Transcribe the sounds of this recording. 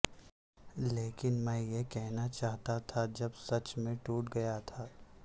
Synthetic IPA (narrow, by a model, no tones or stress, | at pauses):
leːkɪnmɛ̃ːjekɛɦnat͡ʃaːɦt̪at̪ʰad͡ʒɐbsɐt͡ʃmẽʈuːʈɡɐjat̪ʰaː